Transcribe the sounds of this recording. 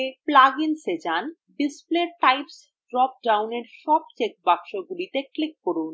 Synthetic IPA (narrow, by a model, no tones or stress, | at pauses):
eplaɡinsed͡ʑan | bispleʈajps | ɖɾɔp̚ɖawneɾʃɔb̚t͡ɕek̚bakʃoɡulit̪eklikːoɾun